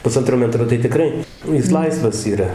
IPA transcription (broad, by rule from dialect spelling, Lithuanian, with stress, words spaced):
pʊˈsɐntroː ˈmʲæːtroː tɐɪ tʲɪˈkrɐɪ ˈjɪs ˈlˠɐɪsʋɐs iːˈrɐ